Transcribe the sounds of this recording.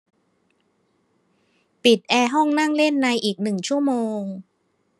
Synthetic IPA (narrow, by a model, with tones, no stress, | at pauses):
pi˨˩t̪̚ʔɛː˧ɦɔ˥˩ŋna˥˩ŋle˥˩nːa˧jʔiː˨˩k̚nɯ˨˩ŋt͡ɕʰu˥˩əmoː˧ŋ